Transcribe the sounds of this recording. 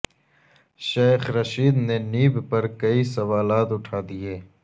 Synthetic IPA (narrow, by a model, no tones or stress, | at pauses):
ʃeːxɾɐʃiːd̪neniːbpɐɾkɐisɐʋaːlaːt̪ʊʈʰaːd̪ieː